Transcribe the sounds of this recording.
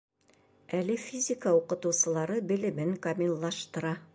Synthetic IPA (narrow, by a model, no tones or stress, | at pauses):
ælɘfʲizʲɪkəuqɤ̆t̪ɤ̆wsɤ̆lˠɑɾɤbɘ̆lɘ̆mɘŋkɐmʲilˠːɑʃt̪ɤ̆ɾɑ